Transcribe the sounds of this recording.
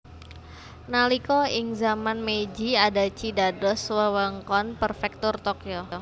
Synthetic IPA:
nalikɔɪŋzamanmed͡ʒiadat͡ʃidadɔswəwəŋkɔnpərfɛk̚t̪ʊrt̪okioo

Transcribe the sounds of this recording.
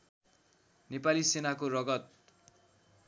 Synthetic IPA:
nepalisenakorʌɡʌt̪̚

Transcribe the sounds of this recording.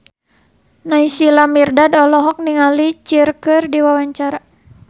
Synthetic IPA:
naisilamirdadɔlɔɦɔk̚niŋalit͡ʃirkɨrdiwawaɲt͡ʃaɾa

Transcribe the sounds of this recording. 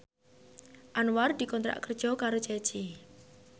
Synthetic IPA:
ʔanward̪̥ikɔnt̪ɾa̰ʔkərd̥ʒ̥ɔkaɾot͡ʃɛ̥t͡ʃi

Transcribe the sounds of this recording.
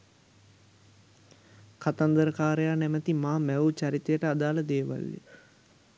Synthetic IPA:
kat̪and̪əɾəkaːɾejaːnɛmət̪imaːmɛut͡ʃaɾit̪ejəʈəad̪aːləd̪eːʋa̰lːḛ

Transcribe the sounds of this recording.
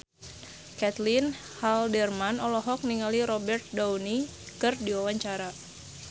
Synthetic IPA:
kɛt̪lin | haldɛrmanɔlɔɦɔk̚niŋaliɾɔbɛrt̪̚dawni | kɨrdiwawaɲt͡ʃaɾa

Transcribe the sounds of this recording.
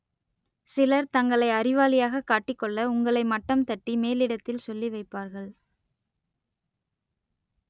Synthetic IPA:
sɪlɐɾt̪ɐŋɡɐɭɐɪɐɾɪʋaːlɪjaːɣɐkːaːʈːɪkːɔɭːɐʊŋɡɐɭɐɪmɐʈːɐmt̪ɐʈːimeːlɪɽɐt̪ːɪlsɔlːiʋɐɪpːaːɾɣɐɭ

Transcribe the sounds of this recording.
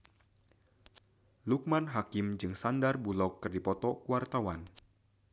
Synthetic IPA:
luk̚manɦakɪmd͡ʒɨŋsandarbulɔkːɨrdipɔt̪ɔkuart̪awan

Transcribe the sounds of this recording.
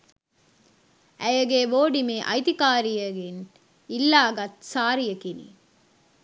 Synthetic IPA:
ʔæjɐɡeːʋoːɖimeːʔɐ̰jt̪ikaːɾijɐɡen | ilːaːɡɐt̪saːɾijɐkinḭː

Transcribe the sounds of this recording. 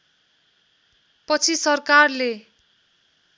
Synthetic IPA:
pʌt͡sʰisʌrkarle

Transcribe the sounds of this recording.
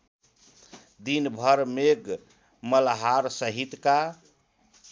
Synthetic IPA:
d̪inbʱəɾmeɡ | məlɦaɾsəɦit̪ka

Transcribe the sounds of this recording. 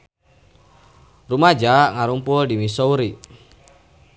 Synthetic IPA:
rumad͡ʒaŋaɾumpuldimisɔuɾi

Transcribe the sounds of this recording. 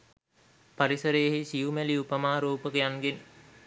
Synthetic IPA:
paɾisəɾejɦisijumæliupəmaːɾuːpəkijaŋɡen

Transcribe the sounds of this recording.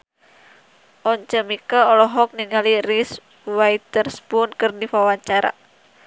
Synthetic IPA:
ʔɔɲt͡ʃəmikaɔlɔɦɔk̚niŋaliris | wajt̪ərsbunkɨrdifawaɲt͡ʃaɾa̰

